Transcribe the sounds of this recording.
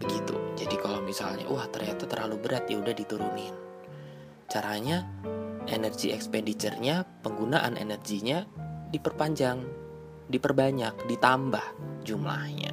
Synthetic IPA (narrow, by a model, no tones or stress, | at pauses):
b̥əɡit̪ṵd͡ʒadikalawmisa̰lɲa̰ʔwaht̪ərɲat̪at̪ərlalubəɾat̪̚jaudahdit̪uɾunɪn | t͡ʃaɾaɲa | enərɡiɛkspɛndit̪ərɲapəŋɡunaʔa̰nḛnərɡiɲadipərpaɲd͡ʒaŋ | dipərbaɲak̚dit̪ambahd͡ʒumla̰hɲa̰